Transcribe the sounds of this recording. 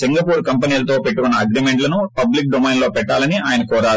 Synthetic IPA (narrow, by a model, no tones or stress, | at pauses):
siŋɡɐpuːɾkɐmpɐniːlɐt̪o̞ːpeʈːukunːɐːɡɾiːmeɳʈlɐnupɐblik̚ɖomɐjnlo̞ːpɛʈːaːlɐniaːjɐnɐkɔːɾaː